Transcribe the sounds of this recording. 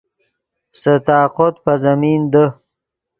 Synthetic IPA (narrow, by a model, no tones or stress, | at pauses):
sət̪aːqot̪̚pazamiːnd̪ə